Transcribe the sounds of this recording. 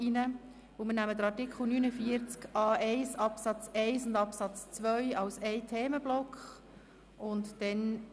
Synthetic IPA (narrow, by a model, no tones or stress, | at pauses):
inə | vʊlmɪnæməd̥̪əɾɑɾtɪkʰχl̩ˠnynəfiəɾt͡skɑːʔɛɪsɑpsɑt͡sɛɪsʊndɑpsɑt͡st͡sʋœʏɑlsɛɪtʰeːməb̥lɔkχ | ʔʊntd̥ɛn